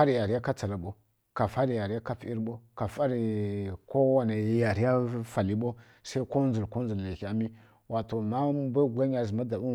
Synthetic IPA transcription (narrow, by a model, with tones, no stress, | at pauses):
a˦ɾi˨ja˨ɾi˦ja˦ka˦t͡sa˨la˨ɓo˦ | ka˨fa˦ɾi˨ja˨ɾi˨˦a˦ka˦fi˦ɾɓo˦ka˨fa˦ɾi˨ko˦wa˨na˨jja˨ɾi˦ja˦fa˨li˦ɓo˦ | sa˦i˦ko˦nzu˨lko˦n˦zu˨lːe˨ki˨a˨mi˦ | wʔa˨to˨ma˦ba˦˨ɡʷa˦ɲ˦a˨zi˨ma˦da˨bu˦